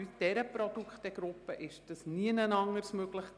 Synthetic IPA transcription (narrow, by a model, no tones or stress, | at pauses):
yd̥ɛɾəpɾɔd̪ukχtɛɡ̥ɾʊpːəʔɪʃd̥əsniənənɑŋːəɾsmøɡləχ